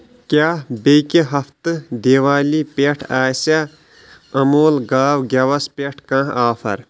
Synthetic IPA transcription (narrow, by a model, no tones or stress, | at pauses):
kʲjaːbekiɦɐft̪ɨd̪eːʋaːlipeʈʰaːsa | ɐmoːlɡaːwɡʲɐʋɐspeʈʰkãːaːpʰɐ̰ɾ